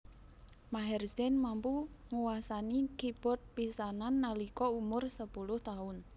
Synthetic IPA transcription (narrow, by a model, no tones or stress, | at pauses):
maɦɛrsɛnmampuŋuwasanikib̥ɔ̤t̪̚pisananːalikɔumʊrsəpulʊht̪aʊn